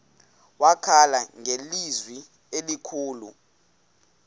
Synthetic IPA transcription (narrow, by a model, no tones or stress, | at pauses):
wakʰalaŋʱelizwi | elikʰuːlu